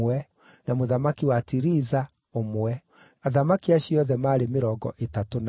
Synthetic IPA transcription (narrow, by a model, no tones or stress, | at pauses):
wɛ | namoðamakiwatiɾiza | omwɛ | aðamakiaɕiɔðɛmaːɾemeɾɔːɡɔ̰ʔetatona